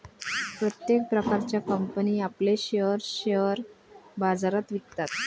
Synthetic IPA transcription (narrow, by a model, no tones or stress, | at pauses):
pɾət̪jek̚pɾəkaɾt͡ɕjakəmpəniːapleɕeəɾɕəɾ | bad͡zaɾat̪ʋik̚t̪at̪̚